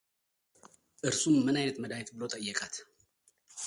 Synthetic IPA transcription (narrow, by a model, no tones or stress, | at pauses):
ʔɨɾsumːɨnajnət̪məd̪ajt̪bɨlot̪ʼəjːɛkʼat̪